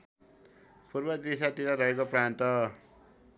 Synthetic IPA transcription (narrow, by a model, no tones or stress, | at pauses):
purbʌd̪isat̪iɾaɾʌɦekoprant̪ʌ